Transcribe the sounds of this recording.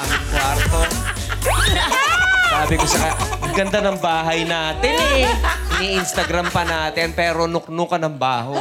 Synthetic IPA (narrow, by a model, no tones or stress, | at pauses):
amɪŋkwaɾt̪o | saːbɪkot͡ʃɐkaɐɡɐnd̪anɐŋbaːɦɐjnaːt̪ɪn | niʔɪnst̪ɐɡɾampɐnaːt̪ɪnpɛːɾonʊk̚nʊkɐnɐŋbaːɦo